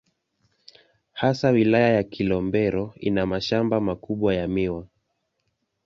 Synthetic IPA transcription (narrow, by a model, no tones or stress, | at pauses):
hasawilajajakʰilɔmbɛɾɔḭnamaʃambamakuɓwajamiwa